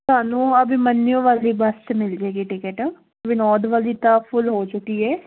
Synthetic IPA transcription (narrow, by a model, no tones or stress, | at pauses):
sʊaːnũːəbĩmənːijõːʋaːliːbəst̪mɪld͡ʒaeɡiʈɪkəʈː | bɪnɔːd̪ʋaːliːt̪ãːpʰʊlɦoːt͡ʃʊkiːɦɛː